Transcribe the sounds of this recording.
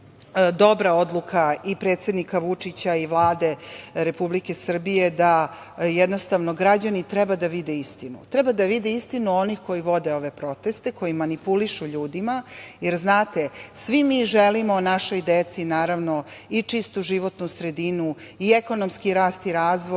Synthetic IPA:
d̪o̞bɾao̞d̪lˠukʰaipɾe̞ːt̪se̞d̪nikaʋut͡ʂit͡ɕaiʋlˠaːd̪e̞ɾe̞publike̞sr̩bije̞d̪a | jɛd̪nost̪aʋnoɡɾad͡ʑanit̪ɾɛbad̪aʋid̪eist̪inṵt̪ɾɛbad̪aʋid̪iist̪inuo̞nixko̞jiʋo̞d̪eo̞ʋe̞pɾo̞t̪e̞st̪eko̞jimanipuliʃuʎuːd̪imajeɾznaːt̪e̞sʋimiʒelimonaʃo̞jd̪et̪sinaːɾaʋno̞it͡ʂist̪uʒiʋo̞t̪nusɾe̞d̪inu | ieko̞no̞mskiɾaːst̪iɾaːzʋoj

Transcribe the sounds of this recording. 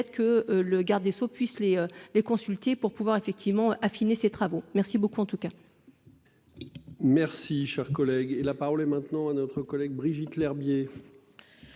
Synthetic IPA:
ɛt̪kəøləɡaʁd̪esopɥisleølekɔ̃sylt̪epuʁpuvwaʁefɛk̚t̪ʰivmɑ̃øʔafineset̪χavomɛʁsibokuɑ̃t̪uka | mɛʁsiʃɛʁkɔlɛɡelapaʁɔlɛmɛ̃t̪nɑ̃anɔt̪χəkɔlɛɡ̚bʁiʒit̪lɛʁbje

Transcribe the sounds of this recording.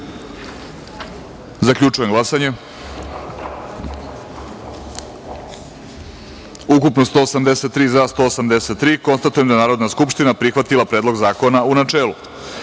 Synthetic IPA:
zakʎʲut͡ʂujemɡlˠasaɲe̞ | ukupnost̪oːsamd̪ese̞t̪ːɾiːzast̪o̞ːsamd̪eset̪ːɾiːko̞nst̪at̪ujemd̪anaːɾo̞d̪naskupʃt̪inapɾixʋat̪ilˠapɾed̪lo̞ɡzaːko̞naunat͡ʂeːlˠu

